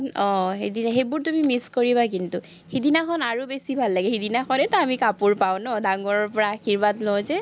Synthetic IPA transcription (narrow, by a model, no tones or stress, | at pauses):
nɔ̃ɦedinɦejbuɹtumimiskoɹiβak̬intu | hidinakʰɔnaɹubesibʱalːaɡɛhidinakʰɔnɛtɔamikapuɹpaʊ̃nɔdaŋɔɹɔɹpɔɹaːkʰiɹbatlozɛ